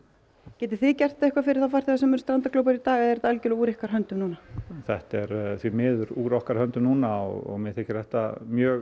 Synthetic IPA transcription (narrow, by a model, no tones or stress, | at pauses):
cɛːt̪ɪɾ̥θɪcɛr̥t̪ɛhkvafɪɾɪɾ̥θafar̥t̪ɪasɛmɛɾst̪ɾant̪aklœwp̬aɾit̪aːɣɛðɛɾt̪aɛlcɪlɔuːɾɪhkaɾ̥ɦœnt̪ʏmnuːnaθɛht̪ɛɾθvimɪːðʏɾuːɾɔhkaɾ̥hœnt̪ʏmnuːnaɔ̰ɣɔ̰ɣmɛθɪhcːɪ̥ɾ̥θɛht̪a̰mjœːɣ